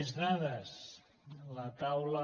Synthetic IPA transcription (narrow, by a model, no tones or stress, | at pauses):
znaðəs | lət̪awlə